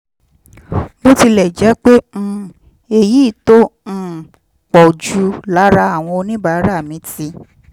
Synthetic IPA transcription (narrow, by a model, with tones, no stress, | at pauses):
bo˦ti˧lɛ˨d͡ʒɛ˨˦k͡pẽ˦ | e˧˨ji˨˦˨tõ˦˨ | k͡pɔ˨d͡ʒu˧˦la˨˦ɾa˧˦a˦˨w̃ɔ̃˧o˧nĩ˦ba˧˨˦ɾa˦˨mĩ˨˦ti˧